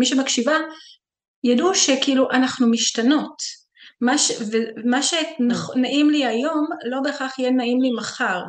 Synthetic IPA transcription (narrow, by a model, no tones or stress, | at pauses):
miʃemakʃiva | jaduʃekiiluʔanaχnumiʃtano̞t | maʃvemaʃenaχnaʔimliajo̞mlo̞be̞ːχaχjɛnaimlimaχaʁ